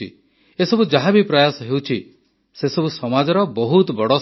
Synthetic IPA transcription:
ḭ | esɔbud͡ʒaɦabipɾajasɔɦewt͡ʃʰi | sesɔbusɔmad͡ʒɔɾɔbɔɦut̪bɔɽɔ

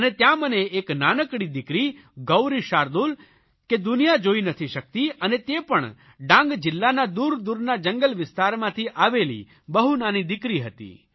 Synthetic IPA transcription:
ənet̪jãməneːknanəkɽ̃id̪ɪkɾi | ɡəwɾiʃaɾd̪ul | ked̪ʊnijad͡ʒoinət̪ʰiʃək̚t̪iənet̪epəɳ | ɖãŋɡd͡ʒɪlːanad̪uɾd̪uɾnad͡ʒəŋɡəlʋɪst̪aɾmãt̪ʰiʔaʋelḭ | bəɦunanid̪ɪkɾiɦət̪ḭ

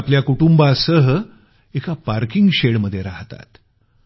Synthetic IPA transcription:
pljakuʈumbasəɦə | ekapaɾkiŋɡɕeɽməd̪ʱːjeɾaɦt̪a̰t̪

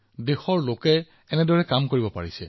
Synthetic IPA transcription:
dexɔɹlokɛː | nɛdɔɹɛkamkoɹibɔpa̰ɹisɛ

